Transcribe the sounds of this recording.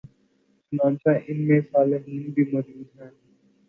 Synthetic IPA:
smãːnt͡ʃaʔɪnmẽsaːləɦiːnbʱiːmɐɾuːd̪ɦɛː

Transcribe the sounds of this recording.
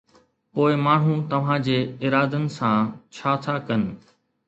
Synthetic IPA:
poːɪmaːɳ̤ɦũt̪ɐʋ̤ãːd͡ʑeːɪɾaːd̪ənɪ̆sãːt͡ɕʰaːt̪ʰaːkɐnɪ̆

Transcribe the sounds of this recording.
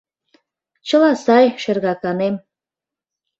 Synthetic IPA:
t͡ɕə̆lɑsɑjʃerɣɑkɑnem

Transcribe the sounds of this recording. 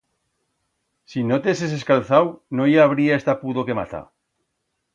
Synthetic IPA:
sinot̪eses̬eskalθawnojaβ̞ɾiaest̪apuðokema̰t̪a̰

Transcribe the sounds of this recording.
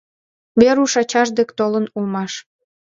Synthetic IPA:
βeɾuʃɑt͡ɕɑʒd̪ekt̪olənulmɑʃ

